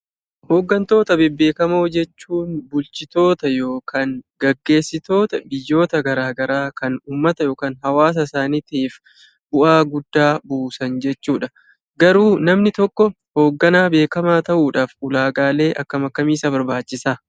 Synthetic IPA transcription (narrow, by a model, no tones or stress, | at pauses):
hoːɡːɐnt̪o̞ːt̪ɐbɛbːeːkɐmo̞ːd͡ʒɛt͡ʃːuːnbʊlt͡ʃɪt̪o̞ːt̪ɐjo̞ːkʰanɡɐɡːe̞ːsːɪt̪o̞ːt̪ɐbɪjːo̞ːt̪ɐɡɐɾaːɡɐɾaːkɐnuːmːɐt̪ɐjo̞ːkaːnɦɐwaːs̬ɐsaːnɪt̪iːf | bʊʔaːɡʊd̪ːaːbuːsɐnd͡ʒɛt͡ʃːuːᶑɐ | ɡɐɾuːnɐmnɪt̪ɔkːɔ | ho̞ːɡːɐnaːbe̞ːkɐmaːt̪ɐʔuːᶑaːfʊlaːɡaːle̞ːʔɐkːɐmɐkːɐmiːsɐbɐɾbaːt͡ʃːɪsaː